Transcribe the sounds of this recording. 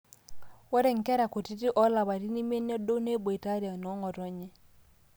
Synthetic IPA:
wɔ˦ɾɛ˦˨ŋ̩˨kɛ˦ɾa˨ko˨ti˦ti˦ʔɔ˦la˨βa˨ɾi˦ni˦me˦n˦ɔ˦do˦ne˦bo˨i˨ta˦ɾa˨nɔ˨˦ŋɔ˨ɾɔ˦ɲɛ˦

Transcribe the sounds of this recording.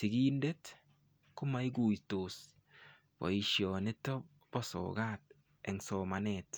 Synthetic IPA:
tɪ˨ɡiː˦nde˦t | kʊ˦ma˦i˦ɡu˨jto˨s | b̥ɔ̰˨i˨ʃjɔnɪ˦tɔ˦ | b̥ɔsɔ̰˨ɡa˦t̚ | ɛ˨ŋsɔ˨ma˨nɛt

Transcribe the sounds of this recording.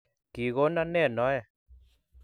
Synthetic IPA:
ki˨ɣo˦na˦nɛ˦˨nɔ˨˦ɛ˨

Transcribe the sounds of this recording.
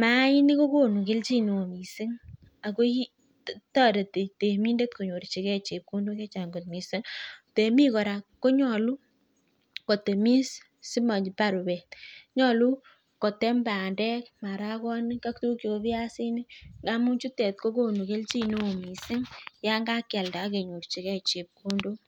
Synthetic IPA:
ma˦i˦ni˦ko˦ko˦˨nu˨ke˦lt͡ʃi˦no˨o˨mi˨sɪ˦ŋ | a˨ko˦i˦ | tɔ˦de˨te˨te˨mi˦nde˦t̚ko˨ɲo˨ɾi˨t͡ʃe˨kɛ˦t͡ʃe˨p̚ku˦ndu˦kɛ˦t͡ʃa˨ŋɡo˨t̚mi˨se˦ŋte˨mi˦kɔ˨ɾa˨kːo˦ɲɔ˨lu˦ | ko˨te˨mi˦s | si˦ma˨d͡ʒpa˦ɾu˨bɛ˨tɲɔ˦˨lu˦ | ko˨te˦mba˨ndɛ˦kma˨ɾa˦kɔ˦nɪ˦ka˦k̚tu˦ki˨o˦bɪ˦a˦sɪ˦ne˦ŋɡa˦mu˦t͡ʃu˦tɛ˨t̪̚ko˦ko˦nu˨ke˦lt͡ʃi˦no˦˨mi˨sɪ˦ŋja˦ŋɡa˦ka˨lda˨˦ke˨ɲo˨ɾt͡ʃi˨kɛ˦t͡ʃe˨p̚ku˦ndo˦

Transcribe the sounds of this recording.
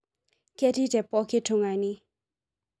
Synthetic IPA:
kɛ˥˨ʈ͡ʂi˥tɛ˨pɔ˨kʰe˥ʈ͡ʂʰu˥˨ŋa˨ni˨

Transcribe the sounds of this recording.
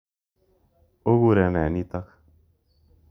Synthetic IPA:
o˦ɣu˦˨ɾɛ˨nɛ˨ni˦t̪a˦k

